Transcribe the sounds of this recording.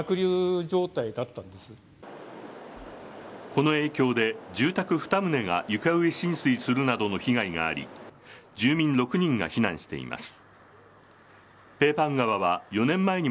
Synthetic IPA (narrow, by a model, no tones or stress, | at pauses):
akɯ̟ɾʲɨːd͡ʑo̞ːt̪aid̪at̪ːãnd̪esɨ | ko̞no̞e̞ːkʲo̞ːd̪e̞d͡ʑɨːt̪akɯ̟ɸɯ̥t̪amɯ̟ne̞ɡa̰jɯ̟kaɯ̟eɕĩñsɨisɨɾɯ̟nad̪o̞no̞çiɡaiɡa̰ːɾʲḭd͡ʑɨːmʲĩnɾo̞kɯ̟ɲ̟ĩŋɡa̰çinã̰ɰ̃ɕi̥t̪e̞̰ḭma̰sɨ̥ | pe̞ːpãŋɡaβaβ̞ajo̞nẽ̞mːae̞ɲ̟i